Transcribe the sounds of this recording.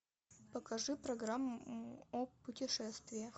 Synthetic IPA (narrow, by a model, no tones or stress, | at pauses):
pəkɐʐɨpɾɐɡramːʊopʊtʲɪʂɛst̪vʲɪjə